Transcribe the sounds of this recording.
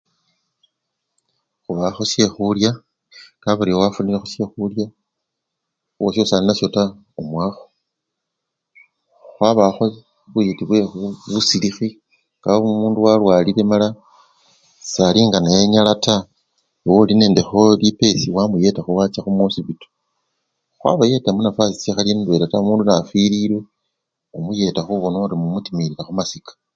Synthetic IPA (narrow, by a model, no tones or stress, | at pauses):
xuβaxosje̞xulja | ŋkaβaɾiowafunilexusje̞xulja | wosousaninaso̞ta | omwaːxo̥ | xwaβaxo | βujetiβwe̞xuβusilixi | ɡ̥aumuːnduwalwaːliɾe̞mala | saliːŋɡanajeɲalata | woline̞ːnde̞xolipe̞siwamuje̞taxuwat͡ʃaxumosiβito̥ | xwa̰βaje̞tamunafasisexaljinwe̞tatamuːndunafiɾiɾwe | umuje̞taxuβonoɾimumutimiɾiɾaxumasikḁ